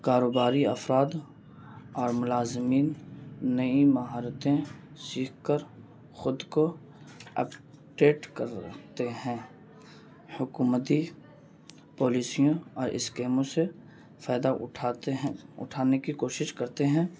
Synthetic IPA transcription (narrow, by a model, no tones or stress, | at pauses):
kaːɾoːbaːɾiɐfɾaːd̪ | ɔːɾmʊlaːzmiːnːɐĩmɐɦaːɾət̪ẽ | siːkʰkəɾ | xʊd̪ko | ə̰p | ʈeːʈkəɾə̰kʰt̪eɦɛ̃ː | hʊkuːmət̪i | pɔːliːsijõɔːɾʔɪ̰skeːmõse | faːd̪aʈʰːɦʊ̰ʈʰaːnekikoːʃɪʃkɐɾt̪eɦɛ̃ː